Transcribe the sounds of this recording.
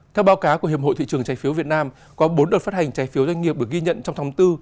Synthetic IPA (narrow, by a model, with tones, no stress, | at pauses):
t̪ʰɛ˧wɓaː˨˦wkaː˨˦wku˧˩əɦi˨˩p̚o̰˧˨t̪ḭ˧˨t͡ɕɨ˨˩əŋt͡ɕaː˨˦jfi˨˦əwvi˨˩ət̚naː˧m | kɔ˨˦ɓo˨˦nɗo˨˩t̚faː˦˥t̚ha˨˩jŋ̟t͡ɕaː˨˦jfi˨˦əwzwa˧ŋi˨˩əp̚ɗək̚ɣi˧ɲə̰˧˨nt͡ɕɔ˧wŋ͡mt̪ʰa˨˦ŋ͡mt̪ɨ˧